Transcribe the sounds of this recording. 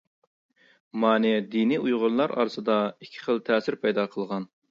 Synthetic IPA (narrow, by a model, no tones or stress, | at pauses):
mɑːnɛd̪iniujʁʊɾlˠɑɾɑ̰ːɾsɨd̪ɑikʲʰːɪ̥χəlˠt̪ʰɛːsɪɾpʰɑjd̪ɑqʰəlˠʁɑn